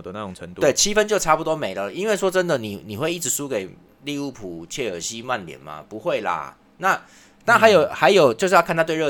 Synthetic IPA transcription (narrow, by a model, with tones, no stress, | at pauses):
d̪ə˧na˥˩ʈ͡ʂʊ˨˩ŋʈ͡ʂʰə˧˦ŋt̪u˥we˥˩ɪt͡ɕʰi˥fə˦nt͡ɕjo˥˩ʊʈ͡ʂʰa˥˩pu˨˩t̪wɔ˥me˨˩ɪlə˨i˦nwe˥˩ɪʂwɔ˥ʈ͡ʂə˦˥nd̪ə˨ni˨˩ni˨˩xwe˥˧i˥˩ʈ͡ʂɻ̩˧˦ʂu˦˥ke˨˩ɪ | li˥˧u˥˩pʰu˨˩˦t͡ɕʰɛ˥˩ə̰˨˩ɕi˦˥ma˥˨˩nljɛ̰˨˩nma̰˨pu˧˦xwe˥˩ɪla̰˨˩ | na˥˨ | na˥˩ɦa˧˥jo˨˩ʊxa˧˥ɪjo˨˩ʊt͡ɕjo˥˧ʊʂ̩˥˧jkʰna˥˧t̪we˥˧ə˥˩